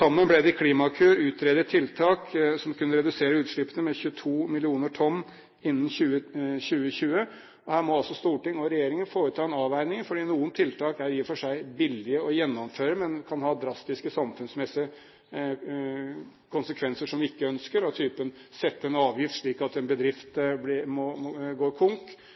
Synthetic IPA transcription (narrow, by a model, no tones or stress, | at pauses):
sɑmːənblɛd̪ɛɪkʰliːmɑkʰʉːɾʉːt̪ɾeːd̪ət̪ʰːɪlt̪ʰɑːksɔmkʉnːəɾɛd̪ʉseːɾəʉːt̪ʂɭɪpːənəmɛçʉət̪ʰuːmɪlɪuːnəʈʰɔnː | ɪnːn̩çʉːəɕʉːəçʉːə | ɔhæːɾmɔɑlsɔst̪uːʈɪŋɔɾɛjeːɾɪŋənfoːɾət̪ʰɑːɛnɑːʋæɪnɪŋfɔɖiːnuːənt̪ʰɪlt̪ʰɑːkæɾiːfɔʂæɪbɪlːɪəɔjɛnːɔmføːɾəmɛnkʰɑnhɑːd̪ɾɑst̪ɪskəsɑmfʉnsmɛsɪə | kʰʊnsəkʰʋɛnsəʂɔmʋɪɪkːəœnskəɾɔt̪ʰyːpənsɛt̪ːəɛnɑːʋjɪft̪ʂɭiːkɑt̪ɛnbəd̪ɾɪft̪blɪmɔɡoːɾkʰʊŋk